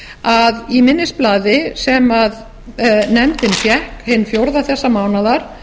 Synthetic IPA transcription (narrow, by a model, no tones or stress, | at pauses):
aðimɪnːɪsplaːðɪsɛmað | nɛmt̪ɪnfjɛhkhɪnːfjowɾðaθɛsːamaːwnaðaɾ̥